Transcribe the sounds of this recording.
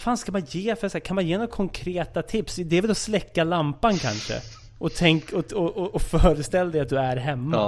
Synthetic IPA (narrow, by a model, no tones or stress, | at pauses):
faːnskamanjeːfœɾsæːkʰanmanjeːnɔɡakʰɔŋkʰɾeːt̪at̪ʰɪpsd̪ɛɛvɛlɔslɛkːalampankʰa̰nʂə̰ | ʔɔt̪ʰɛŋkɔɔɔːfœːɾəst̪ɛlːad̪ɛjat̪̚d̪ɵæɾɦɛmːa